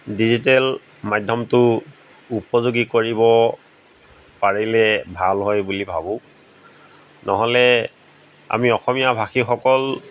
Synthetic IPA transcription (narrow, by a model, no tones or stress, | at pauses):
dizitɛl | madʱɔmtʊ | upɔzuɡikoɹibɔ | paɹilɛbʱalɦɔjbulibʱabʊ̃ | nɔɦɔlɛ | a̰miɔxɔmijabʱaxixɔkɔl